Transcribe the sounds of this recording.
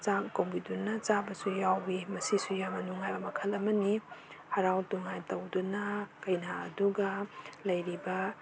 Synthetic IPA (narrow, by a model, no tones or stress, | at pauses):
t͡ʃakowbidunːɐt͡ʃabɐsujawbimɐsisujamɐnuŋajbɐmɐkʰɐlɐmɐnihɐɾawtuŋajtɐwdunɐkɐjna̰ːduɡɐlɐjɾibɐ